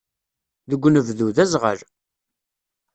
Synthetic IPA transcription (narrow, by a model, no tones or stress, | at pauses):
ðəɡʷːnəvðuðæzʁə̰ɾ